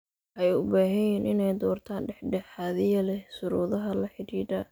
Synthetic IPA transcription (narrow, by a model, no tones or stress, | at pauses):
ʔɛjʊbaːɦɛjɛnʔɪnɛjd̪ɔːrt̪ʰaːnɖɛħɖɛħaːðɪjɐlɛhsʊɾuːðɐɦɐlɐħɪɾiːd̪ɐ